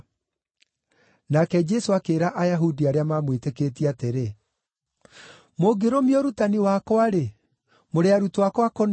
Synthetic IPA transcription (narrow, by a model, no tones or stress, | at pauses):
nakɛd͡ʒɛsoakeːɾaʔajaɦudiaɾeamamwetekeːtiateɾe | moɡeɾomjɔɾutaniwakwaɾe | moɾeaɾutowakwakɔn